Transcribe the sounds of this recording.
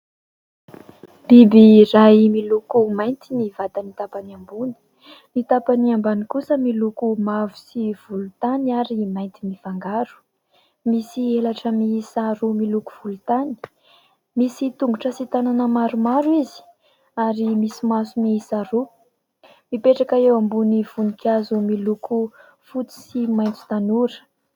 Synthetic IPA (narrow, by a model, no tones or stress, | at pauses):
b̥ibirajmilukumajnt̪inivat̪anit̪apaniambuni̥ | nit̪apaniambanikusəmilukumavusiv̥ulut̪aniaɾimajnt̪imifaŋɡaɾu̥ | misielaʈ͡ʂəmisaɾumilukuv̥ulut̪ani̥ | misit̪uŋɡuʈ͡ʂəsit̪ananəmaɾumaɾuizi̥ | aɾimisimasumiisaɾu | mipeʈ͡ʂakaewambuniv̥unikʲazumiluku | fut͡si̥simajnt̪i̥t̪anuɾə̥